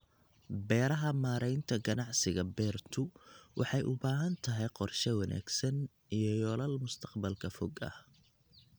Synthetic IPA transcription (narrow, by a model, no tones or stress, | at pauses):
bɛːɾɐɦɐmaːɾɛjnt̪ʰɐɡɐnɑʕsɪɣɐbɛːrt̪ʰʊwʔɑħɑjʔʊbaːɦɐnt̪ʰɐɦɛjqɔrʃɛwɐnæ̰ːɡsɐn | ijɞjɔːlɐlmʊst̪ʰɐ̥qbɐlkʰɐfɔɡɐ̰h